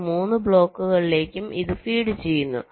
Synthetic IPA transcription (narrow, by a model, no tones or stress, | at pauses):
muːnːɨbɭo̞ːkːuɣɐɭile̞ːkʲːumiðɨfiːɽɨt͡ɕe̞jːunːṵ